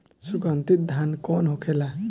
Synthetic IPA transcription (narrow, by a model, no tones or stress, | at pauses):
sukʌnt̪it̪̚d̪ʱankɔnɦokʰela